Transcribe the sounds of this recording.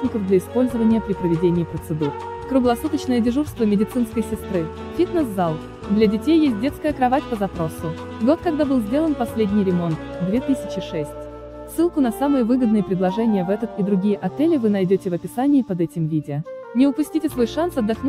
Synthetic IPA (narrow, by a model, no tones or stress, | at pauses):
nʲɪkəvd̪lʲɐɪspo̞lʲzəvənʲɪjəpɾʲɪpɾəvʲɪdʲenʲɪːpɾət̪sɨd̪ur | kɾʊɡlˠɐsut̪ət͡ɕnəjədʲɪʐurst̪vəmʲɪdʲɪt̪sɨn̪skəjsʲɪst̪ɾɨ | fʲit̪nəszalˠ | d̪lʲɐdʲɪtʲejːesʲt̚ʲdʲet̪skəjəkɾɐvatʲpəzɐpɾo̞sʊ | ɡo̞t̪̚kɐɡd̪abɨlˠzʲdʲe̞lˠənpɐsʲlʲedʲnʲɪjɾʲɪmo̞nt̪d̪vʲet̪ɨsʲɪt͡ɕɪʂɛsʲtʲ | sːɨlˠkʊnɐsamɨjəvɨɡəd̪nɨjəpɾʲɪd̪lˠɐʐɛnʲɪjəvɛt̪ət̪id̪ɾʊɡʲijəʔɐt̪ɛlʲɪvɨnɐjdʲotʲɪvɐpʲɪsanʲɪːpɐd̪ɛtʲɪmvʲidʲɪənʲɪʊpʊsʲtʲitʲɪsvo̞jʂansɐd̪ːɐxn